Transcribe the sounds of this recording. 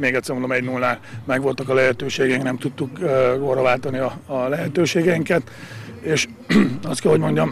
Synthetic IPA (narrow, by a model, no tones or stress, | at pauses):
meːɡɛt̪sɛmulomɛɟnulːaːlmɛɡʋo̞lt̪ɒkɒlɛɦɛt̪øːʃeːɡɛiŋknɛmt̪ut̪ːukːɡorːɒvaːlt̪ɒniɒːlɛɦɛt̪øːʃeːɡɛiŋkɛt̪ | eːʃ | ɒst̪kɛlho̞ɟmo̞ɲɟɒm